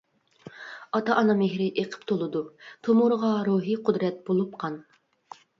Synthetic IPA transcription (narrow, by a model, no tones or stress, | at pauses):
ɑt̪ɑʔɑnɑmeɦɾɪʔeqʰə̥pt̪ʰolˠɨd̪ut̪ʰomuɾʁɑɾuɦiqʰʊd̪ɾɛt̪̚b̥olˠup̚qʰɑn